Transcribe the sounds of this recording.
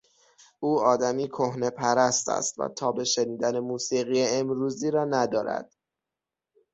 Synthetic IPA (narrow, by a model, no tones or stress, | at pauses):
ʔuːɒːd̪æmiːkʰohne̞pʰæɾæst̪æ̰st̪væ̰t̪ʰɒːbe̞ʃeniːd̪æne̞muːsiːɣijeemɾuːziːɾɒːnæd̪ɒːɾæ̰d̪̥